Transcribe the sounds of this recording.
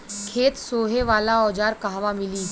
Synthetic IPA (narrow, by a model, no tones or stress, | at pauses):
kʰeːt̪soːɦeʋaːlaɔːd͡ʒaːɾkaɦʋamɪliː